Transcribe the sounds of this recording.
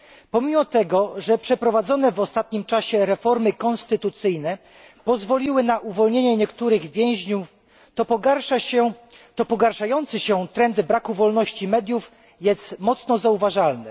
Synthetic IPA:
pɔmʲimɔt̪ɛɡɔʐɛpʂɛpɾɔvad̪zɔnɛvɔst̪at̪̚ɲimt͡ʂaɕɛɾɛfɔɾmɘkɔnst̪ɘt̪ut̪sɘjnɛ | pɔzvɔlʲiwɘnaʔuvɔlɲeɲɛɲɛkt̪uɾɘɣvʲjɛ̃w̃ʑɲu | t̪ɔpɔɡaʂaɛt̪ɔpɔɡaɾʂajɔnt̪sɘɕɛt̪ɾɛnd̪bɾakuvɔlnɔɕt͡ɕimɛd̪ʲjuf | jɛst̪mɔt̪snɔzauvaʐalnɛ̰

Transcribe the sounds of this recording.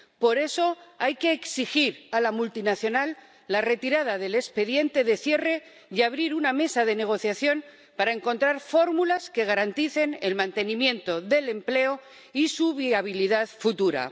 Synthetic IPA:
po̞ɾe̞so̞ajke̞ːksixiɾalamult̪inaθjo̞nalː | are̞t̪iɾað̞aðe̞le̞spe̞ðje̞nt̪e̞ðe̞θje̞re̞ | jaβɾiɾuname̞saðe̞ne̞ɣ̞o̞θjaθjo̞n | paɾae̞ŋko̞nt̪ɾaɾfo̞ɾmulaske̞ɣaɾant̪iθe̞ne̞lmãnt̪e̞nĩmjẽ̞nt̪o̞ðe̞le̞mple̞o | isuβiaβ̞iliðaðfut̪uɾa̰

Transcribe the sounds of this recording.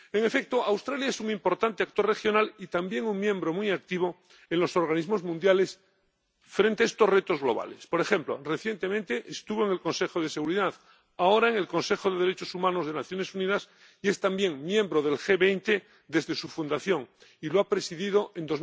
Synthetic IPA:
eŋefek̚t̪oawst̪ɾaljaesuŋimpo̞ɾt̪ant̪eak̚t̪o̞re̞xjo̞nalit̪ambje̞ŋuŋmjẽ̞mbɾo̞mujak̚t̪iβ̞o | enlo̞so̞ɾɣ̞anizmo̞zmũnd̪jale̞s | fɾent̪eaest̪o̞sre̞t̪o̞zɣlo̞β̞a̰lespo̞ɾexe̞mplo̞̰re̞θje̞nt̪e̞mẽnt̪eʔest̪uβoeŋe̞lko̞nse̞xoð̞e̞se̞ɣ̞uɾiðað | aoɾaeŋe̞lkõ̞nse̞xo̞ðeð̞eɾe̞t͡ʃo̞sumãnozð̞e̞naθjone̞suniðas | ie̞st̪ambje̞ŋmjembɾoð̞e̞lxe̞βejnt̪e | d̪e̞zðe̞sufund̪aθjo̞ŋiloapɾe̞siðiðo̞ʔe̞nd̪o̞z

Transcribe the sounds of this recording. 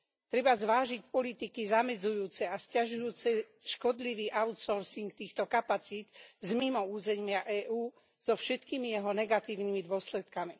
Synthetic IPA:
t̪ɾɛbazʋaːʒicpɔlit̪ikizamɛd͡zujuːt͡sɛascaʒujuːt͡sɛ | ʃkɔd̪liʋiːʔaʊt̪sɔɾsiŋkt̪iːxt̪ɔkapat͡siːd̪̥zmimɔuːzɛɲɪaʔɛːʔuː | z̥ɔfʃɛt̪kiːmijɛɦɔnɛɡat̪iːʊnimid̪ʊɔslɛt̪kami

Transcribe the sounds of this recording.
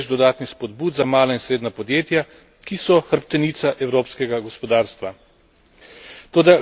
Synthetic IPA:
ʒd̪ɔd̪aːt̪nixspɔd̪buːd̪zamaːlainsɾeːd̪napɔd̪jeːt̪ja | kisɔxəɾpt̪ɛnit̪saʔɛwɾoːpskɛɡaɡɔspɔd̪aːɾst̪ʋa | t̪oːd̪a

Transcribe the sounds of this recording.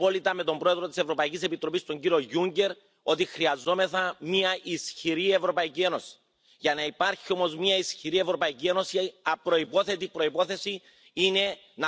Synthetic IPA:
o̞lit̪ɐme̞t̪o̞mbɾo̞eðɾot̪i̥se̞vɾo̞pɐicise̞pit̪ɾo̞pist̪o̞ɲɟiɾio̞ʝuɲɟe̞ɾ | o̞t̪ixɾiɐzo̞me̞θɐmiɐʔisçiɾie̞vɾo̞pɐicie̞no̞si̥ | ʝɐnɐipɐɾçio̞mo̞zmɲɐisçiɾie̞vɾo̞pɐicie̞no̞siɐpɾo̞ipo̞θe̞t̪ipɾo̞ipo̞θe̞si | ine̞ | n

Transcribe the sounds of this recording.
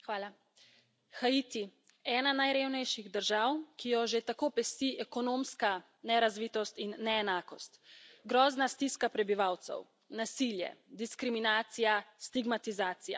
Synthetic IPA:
xʋaːla | xait̪i | ɛːnanajɾewnɛjʃiɣd̪əɾʒaːwkijɔʒet̪akoːpɛst̪iɛkɔnomska | nɛɾazʋiːt̪ɔst̪inːɛɛnaːkɔst̪ɡɾɔːznast̪iskapɾɛbiʋaːwt̪sɛ̰w | nasiljɛ̰d̪iskɾiminaːt̪sijast̪iɡmat̪izaːt̪ija̰

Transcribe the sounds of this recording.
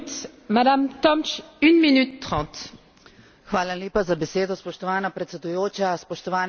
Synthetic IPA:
t̪ | mad̪amt̪ɔmt͡ʃynminyt̪ːʁɑ̃ːt̪ | xʋaːlaljeːpazabɛseːd̪ɔspɔʃt̪ɔʋaːnapɾɛt̪sɛd̪ujoːt͡ʃaspɔʃt̪ɔʋaːn

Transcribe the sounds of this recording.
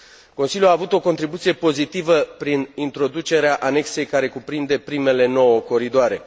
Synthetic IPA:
ko̞nsiljuaːvut̪o̞kont̪ɾibut̪sije̞po̞zit̪ivəpɾinint̪ɾo̞d̪ut͡ʃe̞ɾeaʔane̞kse̞jkaɾe̞kupɾind̪e̞pɾime̞le̞no̞wəko̞ɾid̪oaɾe̞

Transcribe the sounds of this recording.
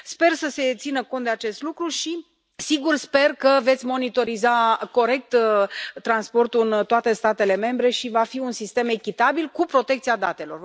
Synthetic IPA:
spe̞rsəse̞t̪sinəko̞nt̪d̪eat͡ʃe̞st̪lukɾuʃi | siɡurspe̞rkəve̞t̪sʲmo̞nit̪o̞ɾizako̞ɾe̞k̚t̪ː | ɾanspo̞rt̪uɨnt̪oat̪e̞st̪at̪e̞le̞me̞mbɾe̞ʃivafiunsist̪e̞me̞kʲit̪abilkupɾo̞t̪ekt̪siad̪at̪e̞lo̞̰r

